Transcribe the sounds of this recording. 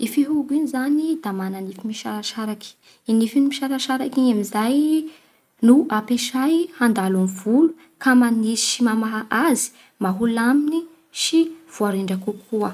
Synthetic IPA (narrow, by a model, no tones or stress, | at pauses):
ifiɦuɡinizanid̪amananifimiʃaɾaʃaɾaki̥ | inifinimiʃaɾaʃaɾakiɲamizaj | nuʔapeʃajhand̪alamivulu | kamanisi̥ʃimamaɦaʔazi̥ | maɦulamini | ʃiv̥uaɾiɳɖ͡ʐakukʰuə